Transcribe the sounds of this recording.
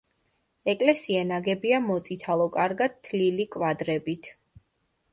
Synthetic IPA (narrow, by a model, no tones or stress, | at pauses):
ɛkʼlɛsiɛnaɡɛbiamɔt̪sʼit̪ʰalˠɔkʼaɾɡad̪̚t̪ʰːlilikʼwad̪ɾɛbit̪ʰ